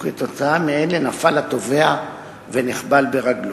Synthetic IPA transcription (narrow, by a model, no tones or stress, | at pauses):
et̪o̞t͡saameele̞nafalat̪o̞ve̞a | veniχbalbe̞ʁaɡl